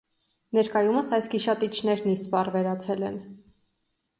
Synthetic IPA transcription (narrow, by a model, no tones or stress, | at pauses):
nɛɾkɑjuməsɑjskiʃɑt̪it͡ʃʰnɛɾnist̪pɑrvɛɾɑt͡sʰɛlɛn